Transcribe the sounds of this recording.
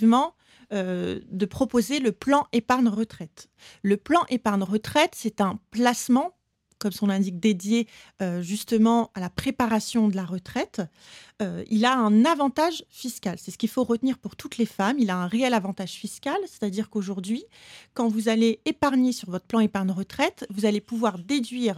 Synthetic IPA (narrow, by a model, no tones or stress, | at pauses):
vmɑ̃ | ød̪əpχɔpozeləplɑ̃ʔepaʁnʁət̪χɛt̪ | ləplɑ̃ʔepaʁnʁət̪χɛt̪sɛt̪ɛ̃plasmɑ̃ | kɔmsɔ̃lɛ̃d̪ik̚d̪ed̪jeøʒyst̪əmɑ̃alapχepaʁasjɔ̃d̪əlaʁət̪χɛt̪ | øḭlaɛ̃navɑ̃t̪aʒfiskʲalsɛsə̥kʲilfoʁət̪niʁpuʁt̪ut̪lefamilaɛ̃ʁeɛlavɑ̃t̪aʒ̥fiskʲalse̥t̪ad̪iʁkoʒuʁd̪ɥikɑ̃vuzaleepaʁɲesyʁvɔt̪χəplɑ̃epaʁnʁət̪χɛt̪vuzalepuvwaʁd̪ed̪ɥiːʁ